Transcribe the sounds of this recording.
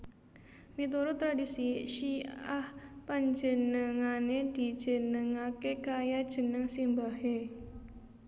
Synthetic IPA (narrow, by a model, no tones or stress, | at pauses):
mit̪uɾut̪ɾadisiʃiahpaɲd͡ʒənəŋaned̪̥i̤d̥ʒ̥ə̤nəŋakekajad̥ʒ̥ənəŋsimbahe